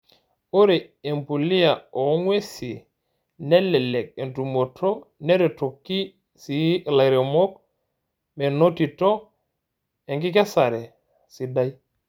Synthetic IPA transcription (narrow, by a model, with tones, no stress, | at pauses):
o˦ɾe˨e˨mpu˨li˦ja˨o˨˦ŋwe˦si˨ | nɛ˦lːɛ˨le˨k̚e˨ntu˨mo˨tʰo˦ne˦ɾe˨to˨kːi˦ | si˨˦la˨ɾe˨mo˦k̚ | me˨no˦ti˨to˦ | e˨ŋki˦ke˦sa˨ɾe˨ | si˨da˦j